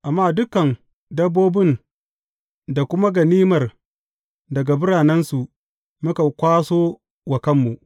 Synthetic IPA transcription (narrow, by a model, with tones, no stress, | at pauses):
ʔa˨mːaː˦˨dʊ˦kɐ˨n | dɐ˦bːoː˦bɪ˦n | da˨kʷʊ˦ma˦ɡɐ˨niː˦mɐ˨r | dɐ˨ɡa˨bʊ˦ɾaː˨nɛ˦nsu˨ʔ | mʊ˦ka˨kʷaː˦soː˦ | wɐ˨kɐ˦mːu˨ʔ